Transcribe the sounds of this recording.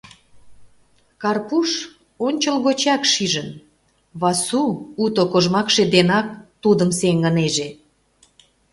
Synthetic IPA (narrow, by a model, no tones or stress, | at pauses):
kɑrpuʃ | onʲt͡ɕəlɣot͡ɕɑkʃiʒən | βɑsuut̪okoʒmɑkʃed̪enɑk̚t̪ud̪əmseŋɡəneʒe